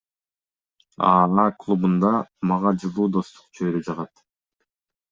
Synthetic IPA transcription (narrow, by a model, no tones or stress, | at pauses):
ɑɑːklˠubund̪ɑmɑʁɑd͡ʒɯlˠuːd̪o̞st̪u̥qt͡ʃʰøjɾød͡ʒɑʁɑt̪